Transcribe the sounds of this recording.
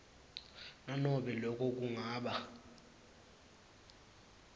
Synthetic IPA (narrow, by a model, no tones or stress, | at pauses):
nanɔɓɛlɔk̬ʼɔk̬uŋaːɓa